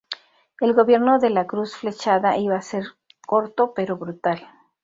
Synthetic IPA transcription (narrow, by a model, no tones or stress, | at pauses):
e̞lɣo̞βje̞ɾno̞ðe̞lakɾusfle̞t͡ʃaðaʔiβaːse̞ɾ | ko̞ɾt̪o̞pe̞ɾo̞βɾut̪al